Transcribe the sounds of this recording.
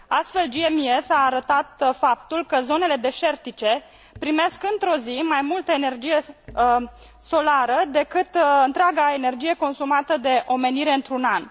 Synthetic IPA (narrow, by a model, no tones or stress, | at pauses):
ast̪fe̞ld͡ʒiemiesaːɾət̪at̪fap̚t̪ulkəzo̞ne̞le̞d̪e̞ʃe̞rt̪it͡ʃe̞ | pɾime̞skɨnt̪ɾo̞zimajmult̪əene̞rd͡ʒije̞ | so̞laɾəd̪e̞kɨt̪ɨnt̪ɾeaɡae̞ne̞rd͡ʒije̞ko̞nsumat̪əd̪e̞ʔo̞me̞niɾe̞ɨnt̪ɾunan